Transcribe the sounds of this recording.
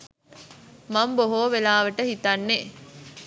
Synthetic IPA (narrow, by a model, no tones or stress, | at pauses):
mɐmboɦoːʋelaːʋəʈəhit̪anːe